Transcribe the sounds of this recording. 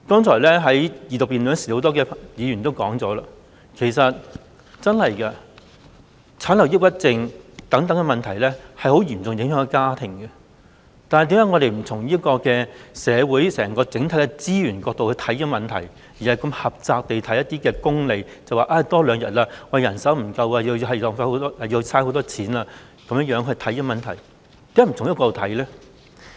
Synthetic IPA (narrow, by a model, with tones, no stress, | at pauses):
kɔː˥ŋt͡ʃʰɔː˨˩lɛ˥ɦɐ˨˥jjiː˨˧t̪ʊ˨k̚piː˨nlœː˨˧˥ŋsiː˨˩ho˨˧˥t̪ɔː˥kɛː˧jiː˨˧jyː˨˩nt̪o˥wkɔː˨˥ŋt͡sɔː˨˥laː˧ | kʰe˨˩sɐ˨t̚ | t͡sɐ˥nhɐ˨jkɐ˧ | t͡sʰaː˨˥nlɐ˨˩wjɪ˥k̚pɐ˥t̚t͡sɪ˧ŋt̪ɐ˨˥ŋt̪ɐ˨˥ŋkɛ˧mɐ˨nt̪ʰɐ˨˩jlɛ˥hɐ˨jho˨˥wjyː˨˩mt͡sʊ˨ŋjɪ˨˥ŋɦœː˨˥ŋkɛ˧kaː˥t̪ʰɪ˨˩ŋkɐ˧ | t̪aː˨nhɐ˨jt̪iː˨˥jɐː˨˥ŋɔ˨˧ɾe˨jm̩˨˩tʰʊ˨˩ŋjiː˥ɐ˥kɔː˧kɛː˧sɛː˨˧wuː˨˥jsɛː˨˩ŋkɔː˧t͡sɪ˨˥ŋt̪ʰɐ˨˥jkɛ˧t͡siː˥jyː˨˩nkɔː˧k̚t̪o˨wkhɵ˧t̪ʰɐ˨˥jmɐ˨nt̪ʰɐ̰˨˩j | jiː˨˩hɐ˨˩jkɐ˧mhɐ˨p̚t͡saː˧k̚t̪e˨jt̪ʰɐ˨˥jɐ˥t̪̚iː˥kɛː˧kʊ˥ŋle˨j | t͡sɐ˨waː˨˩ʔaː˧t̪ɔː˥lœː˨˧ŋjɐ˨˩t̚laː˧wɐ˨jɐ˨˩nsɐ˨˥wm̩˨˩kɐ˧waː˧ji˧wjɦɐ˨jlɔː˨˧ŋfaː˧˥ho˨˥wt̪ɔː˥aː˨˩ji˧t͡sʰaː˥ho˧˥wt̪ɔː˥t͡sʰiː˨˥naː˧ | kɐ˨˧mə˥ŋjœː˨˥ŋkɵ˧ɥt̪ʰɐ˨˥ji˥mɐ˨nt̪ʰɐ˨˩j | t̪iː˧˥mɛː˥m̩˨˩tʰʊ˨ŋjɐ˥kɔː˧t̪ʰɐ˨˥jlɛː˥